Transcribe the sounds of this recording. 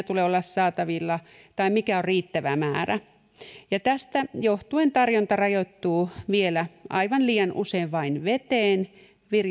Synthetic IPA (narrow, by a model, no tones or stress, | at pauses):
t̪uleːolːɑssɑːt̪ɑʋilːɑ | t̪ɑimikæorriːt̪ːæʋæ̰mæːræ | jɑt̪æst̪æjoht̪uent̪ɑrjont̪ɑrɑjot̪ːuːʋielæʔɑ̰iʋɑnliːjɑnʔṵseːʋʋɑinʋet̪eːn | ʋir